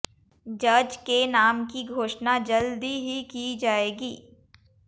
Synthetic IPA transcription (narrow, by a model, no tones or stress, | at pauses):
d͡ʒɐd͡ʒkenaːmkiɡʱoːʃnad͡ʒɐld̪iɦikid͡ʒaːeːɡiː